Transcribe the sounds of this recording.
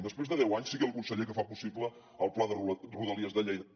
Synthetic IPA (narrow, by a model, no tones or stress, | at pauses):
d̪əspɾezðəðɛwaɲsikɛlˠkunsəʎekəfapusiplə | əlˠplaðəruðəliəzðəʎejð